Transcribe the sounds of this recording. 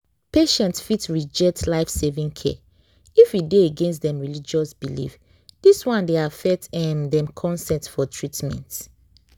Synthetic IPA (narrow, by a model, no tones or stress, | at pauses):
peʃɛ̃ntsfitɹid͡ʒɛk̚tʰlaɪfsevĩŋkʰɛ̰ | ifideeɡẽnstdɛ̃mɹilid͡ʒɔsbilḭf | d̥iswãndeafɛk̚tɛ̃ndɛ̃mkʰɔ̃nsɛ̃ntfɔtʰɹitmɛ̰̃nt